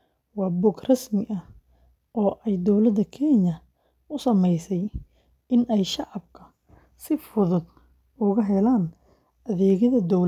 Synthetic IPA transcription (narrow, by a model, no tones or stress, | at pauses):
wɑːbɔːɡrɐsmɪʔɐ | ʔɔːʔɛjd̪ɔwlɐd̪ːɐkʰɛnjɐ | ʔʊsɐmɛjsɛj | ɪnɛjʃɑʕɑb̚kʰɐ | sɪfʊðʊd̪̚ | ʊɣɐɦɛlaːn | ɐðɛːɣɐðɐd̪ɔwl